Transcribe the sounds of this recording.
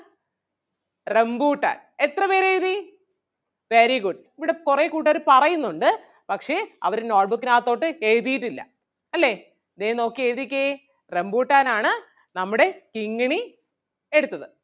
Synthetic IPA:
rembuːʈːa̰ːn | et̪rɐpe̞ːɾeɻði | ʋeːɾikuːʈːiiʋiɽe̞kureːkuːʈ̬ːɐɾɨpɐrɐjunːuɳɖɨ | pɐkʂe̞ɐ̰ʋɐɾnoːʈ̚bukːinaːɐt̪ːo̞ːʈːɨeɻðijiʈːilːɐ̰ | ɐlːe̞ | ɐd̪eːno̞ːkːieɻðikʲːɐe | re̞mbuːʈːaːnaːɳɨ | nɐmːuɽe̞kiŋːɐɳi | e̞ɽut̪ːɐðɨ

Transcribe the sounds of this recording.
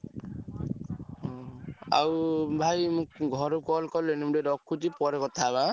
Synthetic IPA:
ɔa̰wbʱajmũkɡʱɔɾukɔlkɔlenimuɖedɔkʰːut̪ipɔɾekɔt̪ʰaβã

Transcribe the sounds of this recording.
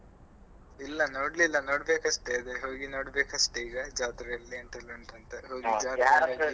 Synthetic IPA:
ilːɐnoːɽlilːɐno̞ːɽbeːkɐʂʈeɐd̪eɦoːɡino̞ːɽbeːkɐʂʈeiːɡɐd͡ʒaːt̪ɾɐɐlːieɳʈ̪ɐlɐɳt̪ɐnt̪eɦoːɡid͡ʒaːɐ

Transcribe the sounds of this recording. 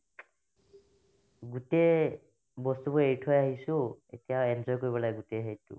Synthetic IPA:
ɡute | bɔst̪ubɔejʈʰɔjaɦisʊ̃ḛtijaɛnzɔjkoɹibɔlaɡɡuteɦejtṵ

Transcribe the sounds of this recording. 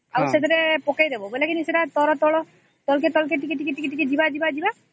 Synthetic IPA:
awsed̪ɔɾepɔkajd̪ebɔbelekiniseʈat̪ɔɾɔt̪ɔɽɔ | t̪ɔlket̪ɔlk̬eʈikiʈikiʈːikiʈiked͡ʒibad͡ʒibad͡ʒiba

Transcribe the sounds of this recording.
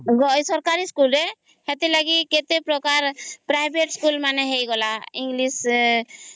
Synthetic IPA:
ɡɔjsɔɾkaɾiskulɾe | het̪elaɡiket̪epɾɔkaɾpɾajbʱeʈskulmanɛɦejɡɔlaiŋɡlis

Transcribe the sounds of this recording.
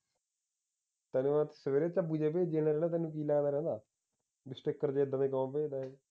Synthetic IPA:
t̪ɛːnẽʋãːt̪səʋeːɾeːt͡ʃaːpuːd͡ʒeːpeːd͡ʒeːnaːɾɛːnaːt̪ɛːnːũːk̬iːlaːɡnaːɾɛ̃ːnd̪aː | ɖɪsʈɪkːəɾd͡ʒeːd̪ãːd̪eːkəmãːpeːd̪aːeː

